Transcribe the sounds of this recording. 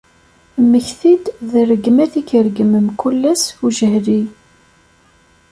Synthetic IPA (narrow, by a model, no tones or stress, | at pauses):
mːəçθid̪ðərəɡmæθikəɾəɡəməmkulːæsuʒəhli